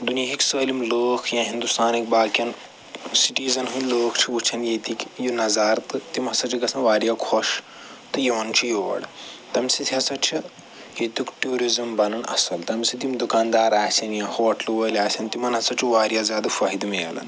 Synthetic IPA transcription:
d̪unjiɦiksəːlimloːkʰjãɦind̪ust̪aːnik̚baːkɐn | siʈiːzɐnɦuloːkʰt͡ʃʰiut͡ʃʰɐnjet̪ikʲjunɐzaːɾt̪ɨt̪imɦɐsɐt͡ʃʰiɡɐsɐ̃nʋaːɾjakʰoʃ | t̪ɨjiʋɐnt͡ʃʰijuʋɐ̰ɽt̪ɐmsit̪ʰiɦɐsɐt͡ʃʰi | jet̪jukʈuːɾizɐmbɐnɐnɐ̰sɐlt̪ɐmsit̪̬imd̪ukaːnd̪aːɾaːsʲɐnjãhoʋɐʈʰluʋəːlʲaːsʲɐnt̪imɐnɐsɐt͡ʃʰiʋaːɾjazʲjaːd̪ɐfaɦid̪melɐ̰n

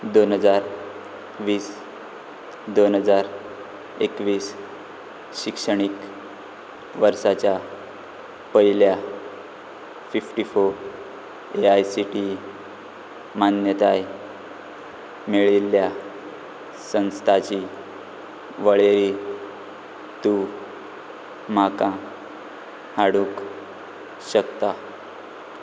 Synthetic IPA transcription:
d̪onɦəd͡zaɾ | ʋiːs | d̪onɦəd͡zaɾ | ekʋiːs | ɕikʂəɽ̃ik | ʋəɾsat͡ɕja | pəilja | fifʈifoɾ | eajsiʈi | manjət̪aj | meɭilːja | sə̃ñst̪ʰat͡ɕi | ʋəɭeɾi | t̪u | makã | haɽũk | ɕəkt̪a

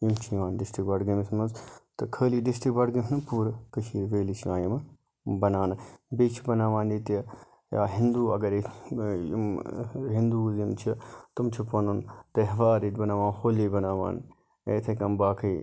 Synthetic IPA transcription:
jimt͡ʃʰijʋaːnɖɪsʈɾikbɐɽɡɐmismɐnzt̪ɐkʰəːliɖɪsʈik̚bɐɽɡɐsnɨpuːɾkɐʃiːɾʋeːlit͡ʃʰiãːjim | bɐnaːnbeːt͡ʃʰibɐnaːʋãːnd̪it̪ɐ | ja̰ːɦɪnd̪uːɐɡɐɾi | ḭmɦind̪uːzjimt͡ʃʰit̪umt͡ʃʰupɐnunt̪ɐɦʋaːɾit̪bɐnaːʋãːnhoːlibɐnaːʋa̰ːn | ḛt̪ʰekɐmbaːkʰɐj

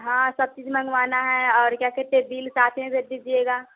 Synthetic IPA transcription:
ɦãːsɐb̚t͡ʃiːd͡ʒmə̃ŋɡʋaːnaɦɛ̃ɔːɾkjaːkeʈeːbiːlsaːt̪ʰɦẽd̪ed̪id͡ʒieːɡaː

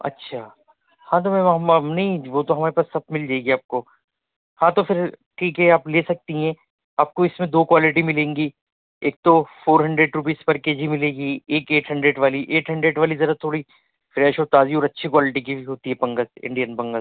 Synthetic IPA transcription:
ɐ̰tːʃʰaː | hãːt̪̬omɛ̃manɐɦĩʋoːt̪oɦɐmaːɾepaːsːɐb̚mɪld͡ʒaːeɡiaːp̚ko | hãːt̪ofɪɾʈʰiːkɦɛaːpleːsɐk̚t̪iɦɛ̃ː | aːp̚koɪsmẽd̪oːkʋaːlɪʈimɪlẽːŋɡi | eːk̚t̪ofoːɾɦɐ̃ɳɖɾeɖɾʊp̬iːspɐɾkeːd͡ʒʱimɪleːɡieːkeːʈɦɐ̃ɳɖɾeːɖʋaːliʔeːʈɦɐ̃ɳɖɾeːɖʋaːlizɐɾat̪ʰoːɽi | fɾɛːʃɔːɾt̪aːziɔːɾɐtːʃʰikʋaːlɪʈik̬iɦoːt̪iɦɛpɐ̃ŋɡəzɪ̰̃ɳɖijənpɐ̃ŋɡəz

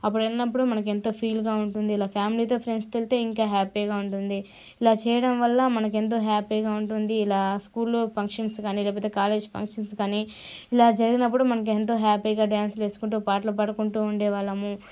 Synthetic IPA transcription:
ɐp̬ːuɽɐlnɐpːuɽumɐnɐk̬e̞nt̪o̞ːpʰiːlɡaːuɳʈund̪iːlaːpʰjaːmliːt̪o̞ːpʰɾe̞nɖst̪elt̪e̞ːiŋkaːɦaːpiːɡaːuɳʈund̪i | ilaːt͡ʃɛːjɐɽɐmʋɐlːɐmɐnɐk̬e̞nt̪̬o̞ːɦaːpiːɡaːuɳʈund̪iːlaːskuːlpʰɐŋkʂɐnskaːniːleːp̬ɔːt̪eːkaːle̞ːd͡ʒpʰɐ̰ŋkʂɐnskaːniilaːd͡ʒɐɾiɡinɐpːuɽumɐnɐk̬ue̞nt̪̬o̞ːɦaːpiːɡaːɖaːnsle̞ːsu̥kuɳʈuːpaːʈ̬lɐpɐɽɐkuɳʈuːuɳɖɛːʋaːɭːɐmu

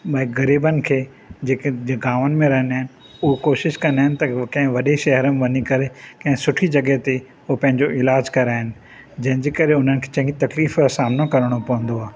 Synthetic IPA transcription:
ɓɐɦɪɡɐɾiːbənɪ̆kʰeː | d͡ʑeːkeɡaːʋənɪ̆mẽɾɐɦəniaːɦɪnɪ̆ | ʊɦokoːʃɪʃkɐ̃nd̪aːɦɪnɪ̆t̪ɐkɐ̃ɦɪ̃ʋɐɗeʃɐɦəɾəmẽʋɐɲikɐɾekɐ̃ɦɪ̃sʊʈʰid͡ʑɐɡət̪e | opɐ̃ɦɪ̃ɲd͡ʑoʔɪlaːd͡ʑkɐɾaːɦɪnɪ̆ | d͡ʑɐ̃ɦɪ̃ɲd͡ʑeːkɐɾeʊn̤ənɪ̆kʰe̥t͡ɕɐ̃ɦɪ̃ɡit̪ɐkliːfasaːmnakɐɾəɽ̃opɐʋə̃nd̪oaː

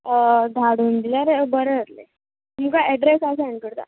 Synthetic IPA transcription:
d̪ʱaɽund̪ilaɾebəɾeət̪le | mukaɛɖɾesasaɳkəɽt̪a̰

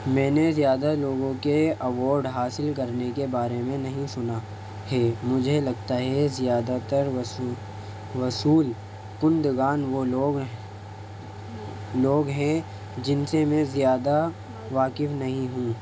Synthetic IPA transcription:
mɛ̃ːnezijaːd̪aloːɡõkeɐʋɔːɾɖɦaːsɪlkɐɾnekebaːɾemẽnɐɦĩsʊna | hɛmʊd͡ʒʱelɐɡt̪aɦɛzɪjaːd̪at̪əɾ | ʋɐsuːl | kʊ̃nd̪ɡaːnʋoloːɡ | loːɡɦɛ̃ | d͡ʒɪnsemɛ̃zijaːd̪a | ʋaːkɪfnɐɦĩɦũː

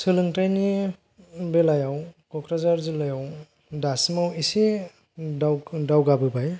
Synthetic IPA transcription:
sɯlɯŋtajni | belajawkɔkɾazaɾzɯlɯjaw | dasmawisi | awdawɡabɯbaj

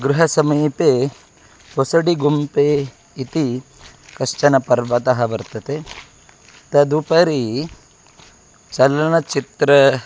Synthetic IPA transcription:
ɡɾuɦɐsɐmiːpeː | posɐɽiɡumpeː | it̪i | kɐʂt͡ʃɐnɐpɐɾʋɐt̪ɐɦɐʋɐɾt̪ɐt̪e | t̪ɐd̪upɐɾi | t͡ʃɐlɐnɐt͡ʃit̪ɾɐ

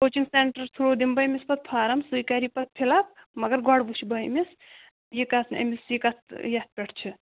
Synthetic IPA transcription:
koːt͡ʃiŋsenʈɐɾt̪ʰuɽoːd̪imbɐjmispɐt̪̚pʰaːɾɐmsujkaɾipɐt̪̚pʰilap̚mɐɡɐɾɡaɽbuʃʰibɐjmis | jikat̪ʰnɐ̰misjikat̪jɐt̪̚pʲeʈʰt͡ʃʰi

